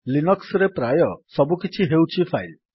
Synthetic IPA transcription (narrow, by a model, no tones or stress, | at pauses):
linɔksɾepɾajɔsɔbukit͡ʃʰiɦewt͡ʃʰipʰajl